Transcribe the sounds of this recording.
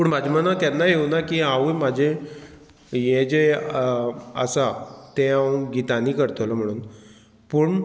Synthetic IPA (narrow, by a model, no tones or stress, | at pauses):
puːɳmad͡ʑmənat̪janːajewnakiːaʋujmad͡ʑʱe | jẽd͡ʑe | ə̰sat̪ẽãɡit̪aniːkəɾt̪ʰoləm̤əɽ̃uːn | puːɳ